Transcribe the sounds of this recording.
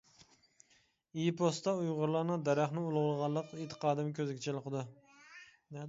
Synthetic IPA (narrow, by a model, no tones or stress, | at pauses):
ijpʰost̪ɑujʁʊɾlˠɑɾnɨd̪æɾæχnɪulˠʁʊlˠʁɑlˠəqet̪ʰːɨ̥qɑːd̪ɨmkʲʰøzɪkʲt͡ʃʰɛlˠɨqəd̪ɨ | n